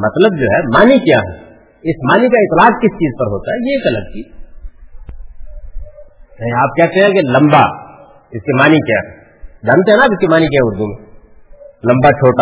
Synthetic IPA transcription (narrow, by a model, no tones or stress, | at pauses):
mɐt̪ləb̚d͡ʒoːɦɛmaːnikjaːɦɛ | ɪsmaːnikaɪt̪laːk̚kɪst͡ʃiːzpɐɾɦoːt̪aɦɛjeeːkɐləɡ̪̚kiː | nɐɦĩaːp̚kjaːkɐɦekelɐ̃mba | ɪskemaːnikja̰ːɦɛ | d͡ʒamt̪eɦɛnaːpɪskemaːnikaɦʊɾd̪umẽ | lɐ̃mbat͡ʃʰoːʈa